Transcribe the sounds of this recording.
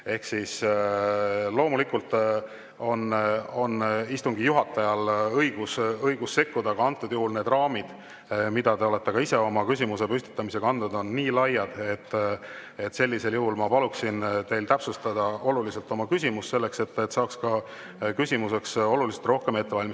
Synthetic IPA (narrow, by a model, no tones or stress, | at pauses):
e̞hksis | lo̞ːmulikult̪ | o̞no̞nist̪uŋɡijuɦɑt̪ːˑɑjɑlɤiɡ̥usɤjɡ̥usse̞kːud̪ɑɡ̥ɑɑnt̪ːˑud̪̥juɦulne̞ːd̪rɑːmid̪̥ | mid̪̥ɑt̪e̞o̞le̞t̪ːe̞kɑise̞o̞mɑkys̬ʲimuse̞pysʲt̪i̥t̪ːˑɑmise̞kɑɑnd̪ud̪o̞nːiːlɑjːɑd̪̥et̪ːe̞t̪se̞lʲːise̞ljuɦulmɑpɑluksint̪e̞jlt̪æpsust̪ɑd̪̥ɑo̞lulise̞lt̪ːˑo̞mɑkysʲimusse̞lːe̞kse̞t̪ːet̪sɑːkskɑ | kysʲimuse̞kso̞lulise̥t̪ro̞hke̞me̞t̪ːe̞vɑlʲmis